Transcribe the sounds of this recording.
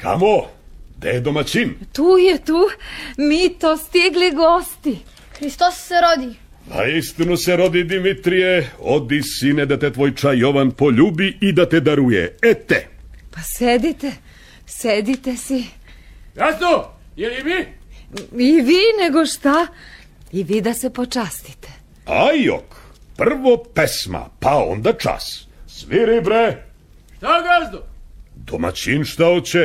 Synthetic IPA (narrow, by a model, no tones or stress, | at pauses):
kʰa̰mod̪ejed̪omat͡ɕint̪uːjet̪uːmiːt̪ost̪iɡliɡost̪i | xɾist̪osːeɾod̪i | na̰ist̪inuseɾo̞d̪id̪imit̪ɾijeod̪isined̪at̪et̪ʋo̞jt͡ʃajo̞ʋanpo̞ʎuːbiid̪at̪ed̪aɾujḛet̪ḛ | pased̪it̪e | sed̪it̪esi | ɡazd̪o | jeliʋi | iʋiːneɡoʃt̪a | iʋiːd̪asepot͡ʃast̪i̥t̪e̥ | a̰jo̰kpr̩ʋopesma̰pao̞̰nd̪at͡ʃa̰ssʋiɾibɾe | ʃt̪aɡazd̪od̪o̰ma̰t͡ɕinʃt̪aot͡ɕe